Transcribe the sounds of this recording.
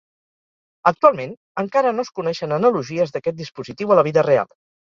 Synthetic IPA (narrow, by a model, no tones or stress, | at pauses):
ək̚t̪ualˠmen | əŋkaɾənoskunɛʃənənəluʒiəzðəkɛt̪̚d̪ispuzit̪iwələβiðərea̰lˠ